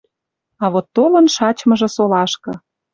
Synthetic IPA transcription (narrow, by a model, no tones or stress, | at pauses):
ɑβot̪ːolɤnʃɑt͡ɕmɤ̆ʒĕsolɑʃkɤ̆